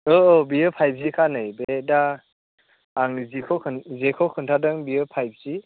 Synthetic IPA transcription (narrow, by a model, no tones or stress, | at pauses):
ɔɔbiɯpʰajb̚zikʰanɯjbeda | ŋzikʰɔkʰɯnzekʰɔkʰɯntʰadɯŋbiɯpʰajb̚z̥i